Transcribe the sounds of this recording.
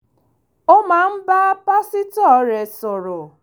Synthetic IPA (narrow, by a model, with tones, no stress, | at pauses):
o˦ma˨˦m̩˦ba˦pa˦sɪ˦tɔ˦˨ɾe˨sʊ˨ɾʊ˨